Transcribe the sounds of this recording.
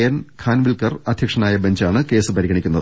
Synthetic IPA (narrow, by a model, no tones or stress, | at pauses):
jɐnkʰaːnʋilkɐrɐd̪ʱjɐkʂɐnaːjɐbɐnd͡ʑaːɳɨke̞ːsɨpɐɾiɡɐɳikʲːunːɐðɨ